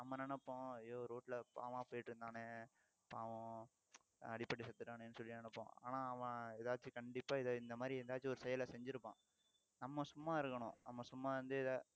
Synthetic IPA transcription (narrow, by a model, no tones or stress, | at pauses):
nɐmːɐnɛnɐpːõːɐjoːɾoːʈlɐpa̰ːʋãːpoːjɪʈːɾɯnd̪aːne | paːʋõ | ɐɽɪpːɐɽisɐt̪ːɯʈːaːneɛnːɯsɔlːɪnɛnɐpːõ̰ːa̰ːnãːɐʋɐ̃ɛðaːt͡ʃːɯkɐɳɖɪpːaːɪðɪnd̪ɐmaːd̪ɾiɛnd̪aːt͡ʃːiɔɾɯsɛjɐlɐsɛɲd͡ʒɪɾɯpːã̰ː | nɐmːɐsʊmːaːɪɾɯkːɐɳʊ̃nɐmːɐsʊmːaːʋɐnd̪ɯɛðɐ